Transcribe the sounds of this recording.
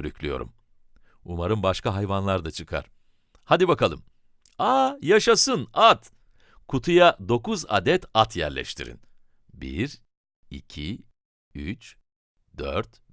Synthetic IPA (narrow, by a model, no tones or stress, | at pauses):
ɾycʰlʲyjo̞̰ɾṵm | umaɾɯnbaʃkaɦajvanlˠaɾd̪at͡ʃʰɯkʰa̰ɾ̥ | had̪ibakʰalˠɯm | ajaʃasɯnat̪ | kʰut̪ʰujad̪o̞kuza̰d̪ɛt̪ʰat̪ʰjæ̰ɾlʲɛ̰ʃt̪ʰḭɾḭn | bḭɾ | ḭcʰi | yt͡ʃ | d̪̥øɾt̪